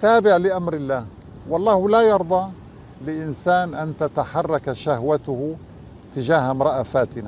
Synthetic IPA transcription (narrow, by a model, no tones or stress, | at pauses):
t̪aːbɪʕlɪʔamɾɪlːaːh | wɑlˤːɑːhlajɑɾˤd̪ˤɑ | lɪʔɪnsaːnʔant̪at̪aħɑrˤːɑkʃahwat̪ʊh | t̪ɪd͡ʒaːhmɾˤɑʔafaːt̪ɪna